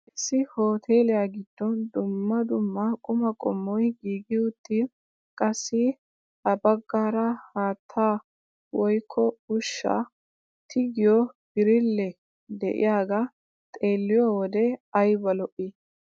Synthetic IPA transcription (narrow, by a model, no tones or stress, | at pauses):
ʔɪsːɪho̞ːt̪ʰe̞ːlɪjaːɡɪd̪̥ːɔnd̪ʊmːɐd̪ʊmːɐkʼʊmɐkʼɔmːɔjɡiːɡɪʊt̪ːi | kʼɐsːɪ | ɐbɐɡːaːɾɐhaːt̪ʰːaː | wɔjkʰːɔʊʃːa̰ | t̪ʰɪɡɪjɔb̥ɪɾɪlːɛ | d̪ɛ̰ʔɪ̰jaːɡa | t̪ʼe̞ːlːɪjɔwɔd̪ɛɐjbɐlɔʔːi